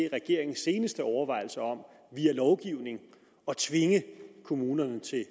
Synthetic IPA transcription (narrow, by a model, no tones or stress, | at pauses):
ʁɛɡ̥e̝ɐ̰e̝ŋn̩se̝ːnəsd̥əɒʊɐʋɑ̈ɪ̰l̩sɐɒ̽m̰ | ʋiːælɒʊɡ̥iʊne̝ŋ̩ | ɒ̽t͡sʰʋe̝ŋəkʰo̝muːnɐnət͡sʰe̝